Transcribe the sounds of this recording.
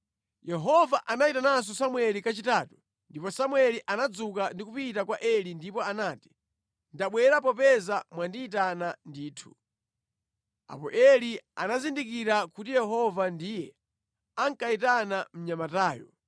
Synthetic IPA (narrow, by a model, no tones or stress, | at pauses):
jɛɦɔvaʔanaitanas̬ɔsamwɛlikat͡ʃitatu̥ | ndipɔsamwɛliʔanad͡zukandik̬upitakwaʔɛlindipɔanaːti̥ | ndaɓwɛɾapɔpɛzamwandiːt̬anandiːtʰu̥ | a̰pɔ̰ʔɛlia̰nazindik̬iɾakutijɛɦɔvandijɛ | aŋkaitanam̩ɲamataːjɔ̰